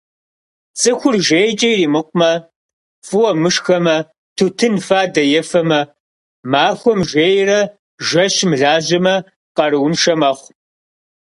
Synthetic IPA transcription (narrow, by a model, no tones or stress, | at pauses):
t͡sʼɨxʷʊrʒejt͡ʃʼɐjriːmɨqʷʼʊmɐ | fɨwɐmɨʂxɐmɐ | tʰutʰɨnfaːdɐjɛfɐmɐ | maːxʷɔmʒeːjrɐ | ʒɐɕmɮaːʑɐmɐ | qɐɾɨwʊnʂɐmɐχʷ